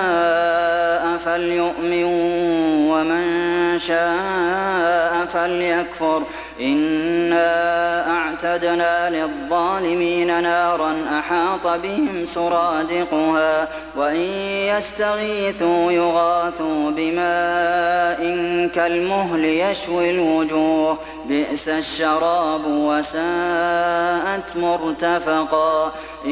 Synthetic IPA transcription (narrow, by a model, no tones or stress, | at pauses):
a | ʔafaljʊʔmɪn | wamanʃaː | ʔafaljakfʊɾˤ | ʔɪnːaʔaʕt̪ad̪naːlɪðˤːɑːlɪmiːnanɑːɾˤɑnʔaħɑːt̪ˤɑbɪhɪmsʊɾˤɑːd̪ɪqʊhaː | waʔɪnjast̪aɣiːθujʊɣɑːθuːbɪmaː | ʔɪnkalmʊɦlɪjaʃwilwʊd͡ʒuːh | bɪʔsaʃːɑɾˤɑːbwasaː | ʔat̪mʊɾt̪afɑqɑ | ʔ